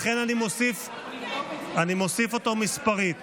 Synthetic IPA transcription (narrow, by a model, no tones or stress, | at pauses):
χenanimosif | animosifo̞t̪omispaʁit̪